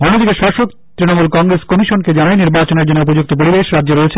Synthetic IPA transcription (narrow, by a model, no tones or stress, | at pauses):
bʱɔnːod̪ikeʃɔʃok | t̪ɾinomulkɔŋɡɾeskɔmiʃonked͡ʑanaeniɾbat͡ɕoneɾd͡ʑonːeupod͡ʑuk̚t̪op̬oɽibeʃɾadːd͡ʑeɾoet͡ɕʰe